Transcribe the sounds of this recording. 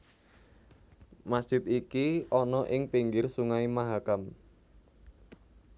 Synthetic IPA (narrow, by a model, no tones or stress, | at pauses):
masd͡ʒ̥ɪt̪̚ikiɔnɔʔɪŋpiŋɡɪrsuŋaimaɦakam